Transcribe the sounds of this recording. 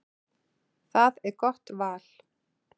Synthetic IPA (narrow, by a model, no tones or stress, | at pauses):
θaðɛɾkɔr̥t̪vaːl̥